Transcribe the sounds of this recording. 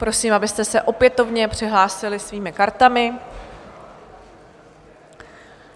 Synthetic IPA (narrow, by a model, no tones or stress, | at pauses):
pɾo̞siːmʔabɪst̪ɛsɛʔo̞pjɛt̪o̞vɲɛpr̝̥ɪɦlaːsɪlɪsviːmɪkaɾt̪amɪ